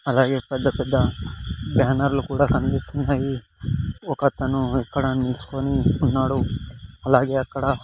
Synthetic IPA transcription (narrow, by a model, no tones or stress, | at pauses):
ɐlaːɡepɐd̪əkəd̪abaːnaɾlkuːɽakɐnd̪isnaɡi | oːkat̪anũekːəɽaːmɪlskoːniʊnːaːɽuɐlaːɡeɐkːɽa